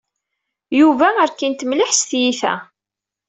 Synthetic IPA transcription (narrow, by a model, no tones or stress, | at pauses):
juvæəɾkint̪mlɪħsθjiθæ̰